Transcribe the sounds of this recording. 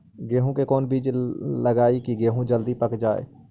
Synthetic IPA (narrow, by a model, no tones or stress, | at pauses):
ɡeːɦũkekɔːnbiːd͡ʒləɡaːikiɡeːɦũd͡ʒəld̪ipəkd͡ʒaːḛː